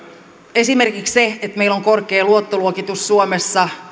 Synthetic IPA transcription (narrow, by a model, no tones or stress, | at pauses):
e̞simerkiksseet̪meiloŋkorkeːluot̪ːoluokit̪usːuomesːɑ